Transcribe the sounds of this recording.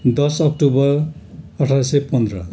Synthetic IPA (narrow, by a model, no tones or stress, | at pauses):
d̪ʌsʌk̚ʈubʌrʌʈʰajsepʌnd̪ɾʌ